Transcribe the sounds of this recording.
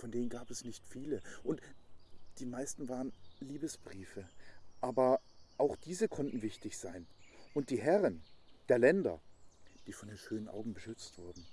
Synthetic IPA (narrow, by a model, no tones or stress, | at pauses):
fɔndeːnənɡaːpɛsnɪçtfiːləʔʊnt | d̥iːmaɪstn̩vaːʁənliːbəsb̥ʁiːfəʔaːbɐʔaʊxd̥iːzəkʰɔntn̩vɪçtɪçz̥aɪnʔʊnt̚d̥iːɦɛʁənd̥eːɐlɛndɐ̰d̥iːfɔndeːnʃøːnənʔa̰ʊɡŋ̩bəʃʏt͡stv̥ʊɐdn̩